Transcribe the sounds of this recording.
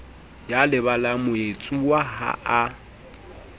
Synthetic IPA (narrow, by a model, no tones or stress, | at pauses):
jalɪβalamʊet͡sʼuwaha̰ʔa